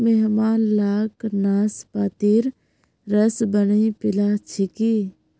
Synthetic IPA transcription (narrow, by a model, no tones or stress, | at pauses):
meɦmaːnlaːknaːspaːt̪iːɾ | ɾəsbəniːpɪlaːt͡ʃʰɪkiː